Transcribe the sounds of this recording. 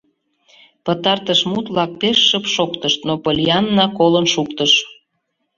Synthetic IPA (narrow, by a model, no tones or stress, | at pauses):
pət̪ɑrt̪əʃmut̪βlɑk̚peʃːəpʃokt̪əʃt̪nopəlʲiɑnːɑkolənʃukt̪əʃ